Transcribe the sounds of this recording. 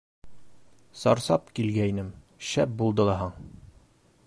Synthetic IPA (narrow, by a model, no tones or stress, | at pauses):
sɒɾsɑpkilɡæinɘm | ɕæp̚bulˠd̪ɤ̆lˠɑɦɑɴ